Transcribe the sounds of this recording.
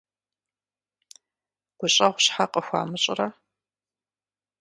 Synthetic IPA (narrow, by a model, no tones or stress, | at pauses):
ɡ̥ʷʊɕʼɐʁʷɕħaqəxʷa̰ːmɨɕʼɪ̰rɐ